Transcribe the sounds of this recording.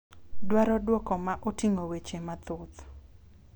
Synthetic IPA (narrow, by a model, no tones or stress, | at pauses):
dwaɾɔdwɔkɔmaʔotɪŋowet͡ʃemat̪ʊt̪